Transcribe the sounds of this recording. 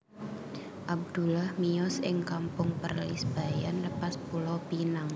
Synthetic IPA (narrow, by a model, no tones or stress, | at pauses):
ʔab̚d̪̥ulahmiɔsɪŋkampʊŋpərlḭsb̥a̤janləpaspulɔpinaŋ